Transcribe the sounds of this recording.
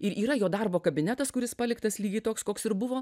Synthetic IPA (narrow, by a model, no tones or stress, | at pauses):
ɪɾʔiːɾɐjoːd̪ɐrboːkɐbʲɪnʲæt̪ɐskʊɾʲɪspɐlʲɪkt̪ɐslʲiːɡʲɛɪt̪oːkskoːksɪɾbʊʋoː